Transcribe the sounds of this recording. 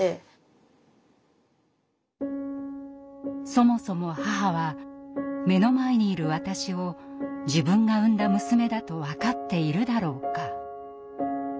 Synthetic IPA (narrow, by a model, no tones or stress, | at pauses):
e | so̞mo̞so̞mo̞haɦaβa | me̞no̞maeɲ̟iːɾɯ̟βat̪aɕio̞ | d͡ʑibɯ̟̃ŋɡaɯ̟̃nd̪amɯ̟sɨme̞d̪at̪o̞βakat̪ːe̞iɾɯ̟d̪aɾo̞ːka